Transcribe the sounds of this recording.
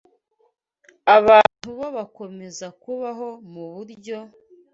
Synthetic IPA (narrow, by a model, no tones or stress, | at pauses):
aβaːn̥huβoβako̞me̞zakuβaɦo̞muβuɾɟo̞